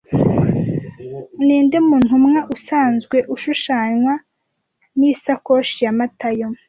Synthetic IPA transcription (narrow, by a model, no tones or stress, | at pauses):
niːndemuːn̥umŋaʔusaːnzɡwe̞ʔuʃuʃaːɲwa | nisakoːʃijamatajo